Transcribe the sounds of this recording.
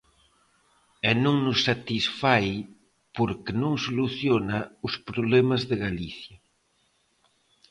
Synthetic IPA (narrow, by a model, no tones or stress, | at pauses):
ɛnõŋnʊsːat̪isfaj | poɾkenõŋsoluθjonauspɾoβlemazðeɣaliθjɐ